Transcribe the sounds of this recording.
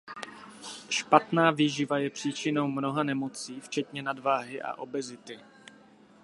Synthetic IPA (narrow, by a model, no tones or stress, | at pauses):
ʃpat̪naːviːʒɪvajɛpr̝̥iːt͡ʃɪno̞wmno̞ɦanɛmo̞t͡siːft͡ʃɛt̪ɲɛnadvaːɦɪʔa̰ʔo̞bɛzɪt̪ɪ